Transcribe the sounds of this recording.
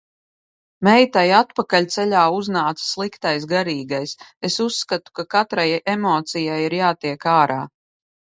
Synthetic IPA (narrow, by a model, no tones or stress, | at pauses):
mɛjt̪ajat̪pakalʲt̪sɛʎʲaːuznaːt̪sslˠikt̪ajsɡaɾiːɡajsesusːkat̪u̥kakat̪ɾajemɔːt̪sijajiɾjaːt̪iɛkaːɾaː